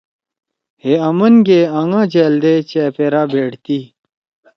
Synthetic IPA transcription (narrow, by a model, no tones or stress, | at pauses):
heɐmənɡeːaŋãːd͡ʑeːld̪et͡ɕepeːɾaːbeːɽt̪iː